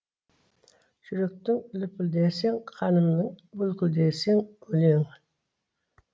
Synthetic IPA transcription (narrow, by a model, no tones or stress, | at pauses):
ʒ̥ʏɾe̞k̚t̪ɪŋʏlɪpʰʏld̪eseŋqʰɑnəmnəŋbɵlkʲʏld̪eseŋɵleŋ